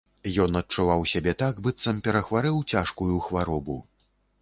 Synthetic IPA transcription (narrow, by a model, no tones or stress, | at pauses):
jɔnɐt̚t͡ʂuvawsʲabʲɛt̪aɡbɨt̪sɐmpʲɛɾɐxvaɾɨwt͡sʲaʂkujuxvaɾɔbu